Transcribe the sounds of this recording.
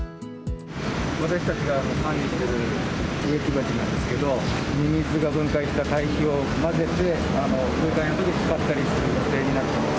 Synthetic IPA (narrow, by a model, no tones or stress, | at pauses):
βat̪aɕi̥t̪at͡ɕiɡaːno̞hãnʲɾʲiɕt̪eɾɯɯ̟ekʲibad͡ʑinãnd̪e̞sɨ̥ke̞d̪o̞ɲʲimʲizɨɡabɯ̟̃ŋkaiɕi̥t̪at̪aiçio̞ | maze̞t̪e̞ | ano̞bɯːkãĩnot̪okit͡sɨ̥kat̪ːaɾʲisɨɾɯ̟jo̞t̪e̞ːɲ̟inat̪ːe